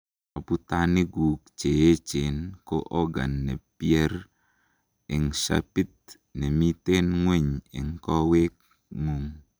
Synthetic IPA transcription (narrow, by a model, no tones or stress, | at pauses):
aput̪aniɡuk̚t͡ʃeet͡ʃenkoʔɔɡa̰nːɛpiɛr | ɪŋsa̰pit̪̚ | nɛmit̪enŋweɲɪ̰ŋkɔwek̚ | ŋuŋ